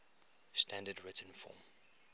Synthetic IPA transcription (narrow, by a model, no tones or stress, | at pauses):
stʰæ̃ndədɹɪtə̃nfɔ̰ːm